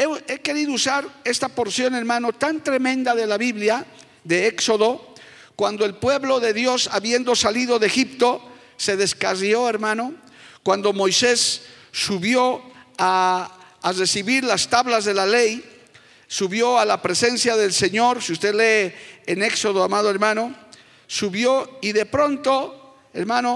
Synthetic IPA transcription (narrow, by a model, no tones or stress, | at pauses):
ee̞ke̞ɾiðousaɾe̞st̪apo̞ɾsjo̞ne̞ɾmãno̞t̪ant̪ɾe̞mẽnd̪aðe̞laβiβlja | ðe̞ekso̞ðo̞ | kwand̪o̞e̞lpwe̞βlo̞ðe̞ðjo̞saβje̞nd̪o̞saliðo̞ðexipt̪o̞ | se̞ðe̞skario̞e̞ɾmãno̞ | kwand̪o̞mo̞jse̞sː | uβjo̞aː | re̞siβiɾlast̪aβlazðe̞lalej | suβjo̞alapɾese̞nsjaðe̞lse̞ɲo̞ɾsiust̪eðle̞ːne̞kso̞ð̞oamað̞oeɾmãno̞ | suβjoiðe̞pɾo̞nt̪o̞ | eɾmãno